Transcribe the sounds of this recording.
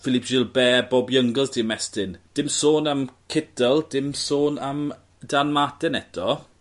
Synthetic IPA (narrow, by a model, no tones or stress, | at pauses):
fɪlɪpʰd͡ʒɪlˠbɛːbɔbjəŋɡəlˠzd̥ɪmɛstɪnd̥ɪmsoːnamkʰɪdəlˠd̥ɪmsoːnam | d̥anmatɛnɛtʰɔ